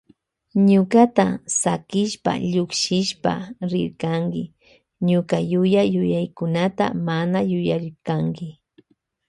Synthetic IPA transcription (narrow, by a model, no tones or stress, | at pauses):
ɲʊkat̪asakɪʃpa̰ʎʊkʃɪʃpa̰ɾɪ̰ɾkaŋkɪ | ɲʊkajʊjajʊjajkʊnat̪a̰manajʊjaɾɪɾkaŋkɪ